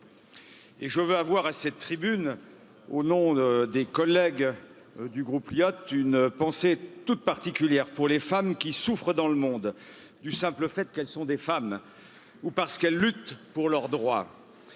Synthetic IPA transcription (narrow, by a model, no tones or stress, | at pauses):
eʒəvøavwaʁasɛt̪ːχibyn | onɔ̃d̪ekɔlːɛɡ | d̪yɡʁupljɔt̪ynpɑ̃set̪ut̪̚paʁt̪ikʲyljɛʁpuʁlefamkʲisufχəd̪ɑ̃ləmɔ̃d̪ | d̪ysɛ̃pləfɛt̪kɛlsɔ̃d̪efam | upaʁsə̥kɛlːyt̪puʁlœʁd̪ʁwa